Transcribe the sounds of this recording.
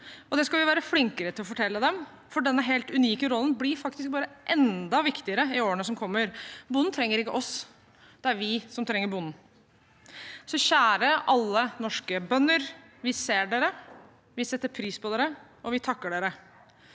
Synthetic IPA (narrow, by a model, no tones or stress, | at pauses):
ʔɔd̪ɛskɑlʋɪʋæːɾəflɪŋkəɾət̪ʰɪlɔfɔʈʰɛlːəd̪ɛm | fɔɖɛnːəɦeːlt̪ʉniːkəɾɔlːn̩blɪɾfɑkt̪ɪsk̚bɑːɾəʔɛnd̪ɑʋɪkt̪ɪəɾəɪoːənəsɔmkʰɔmːəɾbʊnːn̩t̪ʰɾɛŋːəɾɪkːəʔɔs | d̪̥ɛæɾʋɪsɔmt̪ʰɾɛŋːəɾbʊnn̩ | sɔçæːɾəʔɑlːənɔʂkəbœnːəɾ | ʋɪseːɖeːɾə | ʋɪsɛt̪ːəɾpʰɾiːspʰɔd̪eːɾəʔɔʋɪt̪ʰɑkːəɖeːɾə